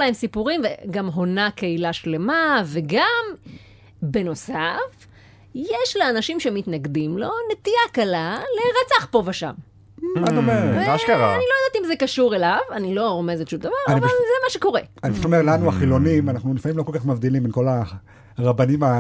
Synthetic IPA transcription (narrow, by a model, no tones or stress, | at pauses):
laemsipuʁimveɡamɦo̞nakeilaʃle̞mave̞ɡam | be̞no̞saf | jeʃleanaʃimʃemit̪naɡd̪imlo̞ne̞t̪iakalaleʁat͡saχpo̞vaʃa̰m | atomeʁʃkaʁaanilojdat̪imzekaʃuʁe̞lavanilo̞ʁomezeʃumd̪avaʁananivlzemaʃeko̞ʁeanibiʃutomeʁlanuaχilo̞nimanaχnulifamimlo̞kolkaχmavd̪iliminko̞la | ʁabanima